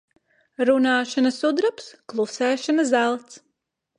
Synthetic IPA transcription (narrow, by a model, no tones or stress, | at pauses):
ɾunaːʃanɐsud̪ɾapsklˠusɛːʃanɐzælˠt̪s